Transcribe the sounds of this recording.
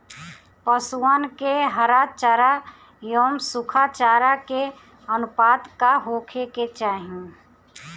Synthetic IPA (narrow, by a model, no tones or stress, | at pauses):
pəsuaːnkeɦəɾaːt͡ʃaːɾa | joːmsʊkʰat͡ʃaːɾake | ənʊpaːd̪kaɦoːkʰeket͡ʃaːɦĩ